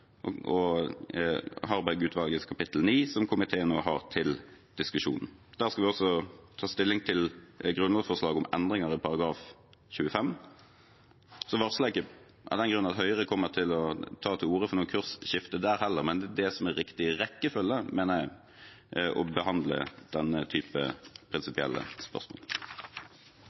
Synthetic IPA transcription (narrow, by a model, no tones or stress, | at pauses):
ɔ | hɑɾbæɡʉːt̪ʰʋɑlɡəskʰɑpɪt̪l̩niːsɔmkʰʊmɪt̪ʰeːəno̰ːɦɑ̰ʁt̪ʰɪld̪̥ɪskʉʂṵːnn̩d̪̥æːʁskɑʋɪɔsɔt̪ʰɑːst̪ɪlːɪŋt̪ʰɪlɡɾʉnʋɑːd̪fɔʁslɑːɡɔmɛnd̪ʁɪŋɑɾɪpʰɑʁɑɡɾɑːf | çʉːəfɛm | sɔʋɑʁslɛkə | ʔɑ̰d̪ɛnɡɾʉnɑt̪hœʏəʁəkʰɔmːət̪ʰɪlɔt̪ʰɑːt̪ʰɪluːɾəfɔʁnuːnkʰʉʁsʃɪft̪əd̪æːɾhɛlːəʁmɛnd̪d̪ɛsɔmɛɾɪkt̪ɪʁɛkːəfœlːəmeːnəæɪ | ʔɔ̰bəhɑnd̪lə̰d̪̥ɛnːət̪ʰyːpə̰pʰɾɪnsɪpɪɛ̰lːə̰spœ̰ʁsmo̰ːl